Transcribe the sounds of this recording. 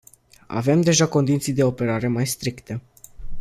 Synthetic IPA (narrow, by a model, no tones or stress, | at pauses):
a̰ve̞md̪e̞ʒako̞nd̪it̪sijd̪e̞o̞pe̞ɾaɾe̞majst̪ɾikt̪ə